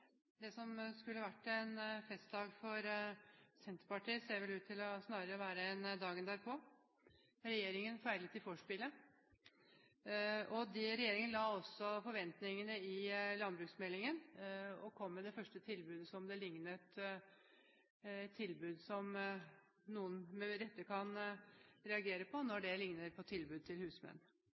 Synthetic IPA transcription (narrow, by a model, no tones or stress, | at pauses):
d̪ɛsɔmskʉlːəʋæʈːɛnfɛst̪̚d̪ɑːɡfɔɾ | sɛnt̪əɾpɑʈiːəseːɾʋɛlʉːt̪ʰːɪlɔsnɑːɾəɾəʋæːɾəɛnd̪ɑːɡənd̪æːɾpʰɔ | ɾɛjeːɾɪŋənfæɪɾlət̪ʰɪfɔʂpɪlə | ɔd̪ɪɾɛjeːɾɪŋənəlɑːɔsːɔfɔɾʋɛnt̪nɪŋənəɪlɑnbɾʉːksmɛlːɪŋənɔkʰɔmːɛd̪ɛfœʂʈət̪ʰɪlbʉːd̪əsɔmd̪ɛlɪŋnət̪ | t̪ʰːɪlbʉːd̪sɔm | nuːənmɛɾɛt̪ːəkʰɑn | ɾɛɑɡeːɾəpʰɔnɔɖɛlɪŋnəɾpʰɔt̪ʰɪlbʉːd̪̚t̪ʰɪlhʉːsmɛ̰nː